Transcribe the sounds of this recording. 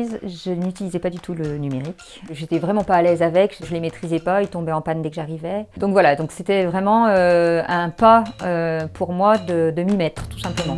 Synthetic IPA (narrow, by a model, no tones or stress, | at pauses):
zʒənyt̪ilizɛpad̪yt̪ʰulənymeʁik | ʒet̪ɛvʁɛmɑ̃paːlɛzavɛkʒəʒəlemet̪χizɛpailt̪ɔ̃bɛɑ̃pand̪ɛkəʒaʁivɛd̪ɔ̃kvwalad̪ɔ̃kset̪ɛvʁɛmɑ̃øɛ̃paøpʰuʁmwad̪əd̪əmimɛt̪χt̪u̥sɛ̃pləmɑ̃